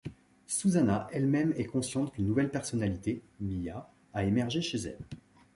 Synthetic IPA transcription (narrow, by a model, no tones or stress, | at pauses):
suzanaʔɛlmɛmɛkɔ̃sjɑ̃t̪kʲynːuvɛlpɛʁsɔnalit̪emija | aemɛʁʒeʃezɛ̰l